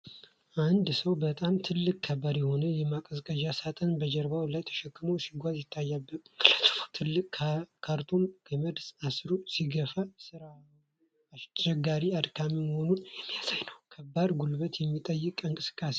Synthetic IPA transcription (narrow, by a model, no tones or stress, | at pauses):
ʔand̪səwbət̪ʼamt̪ʰɨlːɨkʼkʰːəbad̪jɛho̞nəjɛmakʼəzkʼəd͡ʒasat̪ʼanbəd͡ʒɛɾbawlajt̪ʰə̥ʃɛkːɨməwsiɡʷazjɪt̪ʰːajːabːət̪kɨlat̪ə̥ft̪ʰɨlːɨkʼkʰaɾt̪ʰunkʰəməd̪sasɾusiɡəfasɨɾa | at͡ʃɛɡːaɾiad̪kʰamiməho̞nunjɛmːijasajnəwkʰəbːaɾɡulbət̪jɛmːit̪ʼəjːɨkʼɨŋkʼɨsɨ̥kʼːase